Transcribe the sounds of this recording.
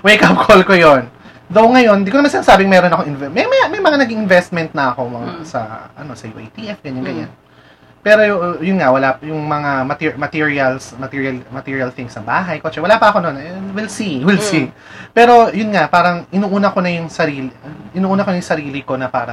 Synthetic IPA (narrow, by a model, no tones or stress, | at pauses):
wɛjkɐp̚kʰolkojon | d̪owŋɐjo̞nd̪ikonɐmansɪnasaːbɪŋmɛːɾonɐkoŋʔɪnvɛmɐjmɐmɐjmɐŋanɐɡiŋʔɪnvɛst̪̚mɛnt̪̚nɐɐko̞mɐŋasɐ̰ʔɐ̰no̞sɐjṵʔɛ̰jt̪iʔɛfɡɐɲanɡɐɲan | pɛːɾo̞jʊnŋawɐlapjʊŋmɐŋamɐt̪imɐt̪iːɹiɐlsmɐt̪iːɹiɐlmɐt̪iːɹiɐlθɪŋsɐŋbaːɦɐjkoːt͡ʃɛwɐlaːpɐʔɐko̞nonʔɛwɪlsiwɪlsi | pɛːɾo̞jʊnŋapaːɾɐŋʔɪnuːʔuːnɐkonɐjʊŋsɐɾiːlɪʔɪnuːʔuːnɐkoɐjʊŋsɐɾiːlɪko̞nɐpaːɾɐ